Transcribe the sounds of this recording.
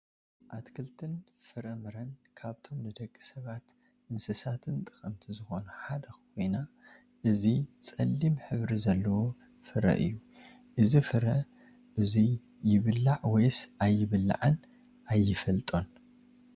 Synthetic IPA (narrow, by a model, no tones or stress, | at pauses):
ʔat̪kʰɨlt̪ʰɨnfɨɾɐmɨɾɐnkʰaβt̪ʰo̞mnɨd̪ɐkʼːisɐβat̪ | ʔɨnsɨsat̪ʰɨnt̪ʼɨxʼɐmt̪ʰizɨxo̞nɐħad̪ɐxkʰo̞jna | ʔɨzit͡sʼɐlːimħɨβɾizɐlːɐwo | fɨɾɐ̰ʔɨ̰jːu | ʔɨzifɨɾɐ | ʔɨzi | jɪβɨlːaʕwɔjsajːɪβɨlːa̰ʕɨn | ʔajːɪfɐlt̪ʼo̞n